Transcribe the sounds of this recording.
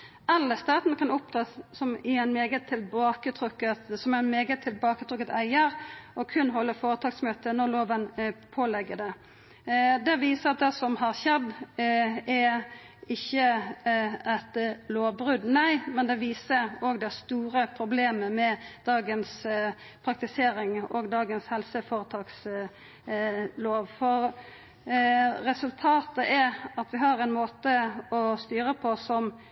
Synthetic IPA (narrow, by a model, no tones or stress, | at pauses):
ʔɑlːəst̪ɑːt̪nəkɑnʊp̚t̪ʰɾɑːsɔmɪæɪnmeːɡət̪ʰːɪlbɑːkət̪ʰɾʉkːət̪sɔmæɪnmeːɡət̪ʰːɪlbɑːkət̪ʰɾʉkːət̪æɪəɾʔɔkʰʉnɦɔlːəfoːɾət̪ʰɑːɡsmøːt̪ənɔɾloːʋənpʰoːlɛɡːəd̪ɛ | d̪ɛʋiːsəɾɑt̪̚d̪ɛsɔmhɑʁçɛd̪ | ɛ | ɪçːə | ɛt̪loːʋbɾʉd̪næɪmɛnd̪ɛʋiːsəɾɔɡd̪æst̪uːɾəpʰɾʊbleːməmɛd̪̥ɑːɡəns | pʰɾɑk̚t̪ɪseːɾɪŋɔɡd̪ɑːɡənshɛlsəfɔːɾət̪ʰɑːks | loːʋfɔɾ | ɾɛsʉlt̪ʰɑːt̪əʔɛɾɑt̪ʋɪɦɑɾɛnmoːt̪əɔst̪yːɾəpʰɔsɔm